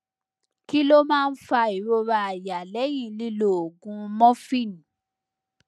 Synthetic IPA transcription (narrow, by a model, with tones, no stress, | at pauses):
ki˦lo˦mãː˦˧n̩˦fa˧i˨ɾo˧ɾa˧a˨ja˨lɛ˨˦j̃ĩ˦˧li˦lo˨o˨ɡũ˧mɔ̃˦fĩ˦˨ñ˨